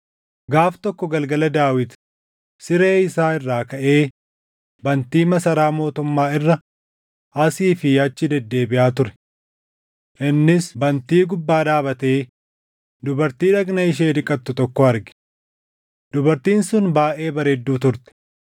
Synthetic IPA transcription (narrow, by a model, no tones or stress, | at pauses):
ɡaːft̪ɔkːɔɡɐlɡɐlɐd̪aːwɪt̪ | sɪɾeːɪsaːɪrːaːkɐʔe̞ː | bɐnt̪iːmɐsɐɾaːmo̞ːt̪ʊmːaːɪrːɐ | ɐsiːfɪɐt͡ʃːɪd̪ɛd̪ːe̞ːbɪʔaːt̪ʊɾɛ̥ | ʔɪnːɪsbɐnt̪iːɡʊbːaːd̪aːbɐt̪e̞ː | d̪ʊbɐɾt̪iːᶑɐɡnɐɪʃ̬eːᶑ̪ɪkʼɐt̪ːʊt̪ɔkːɔɐɾɡɪ̥ | d̪ʊbɐɾt̪iːnsʊnbaːʔe̞ːbɐɾeːd̪ːuːt̪ʊɾt̪ɛ̥